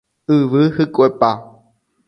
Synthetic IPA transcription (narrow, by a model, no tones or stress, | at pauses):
ɨʋɨhɨkʼʷepa